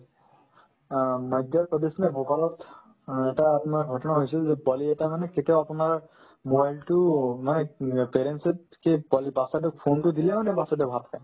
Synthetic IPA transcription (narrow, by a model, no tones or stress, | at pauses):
mɔjdjaɹpɔd̪esnɛbokalɔt | ɛtaːpʊnaɹɡʱɔtɔnaɦojsɛlzɛbɔliɛtamanɛketiaapʊnaɹ | mobajltʊmanɛpeɹensɛt̚ | kebɔlibasadɛpʰontʊdilɛmanɛbasɔdɛbʱat̪ʰakaj